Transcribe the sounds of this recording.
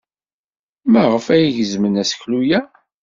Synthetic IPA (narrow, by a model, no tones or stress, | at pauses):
mæʁəfæjiʝəzmənæsçlujæ